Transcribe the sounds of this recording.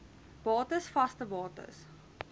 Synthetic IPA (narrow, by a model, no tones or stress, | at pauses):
b̥ɑːtəsfɐstəbɑːtə̰s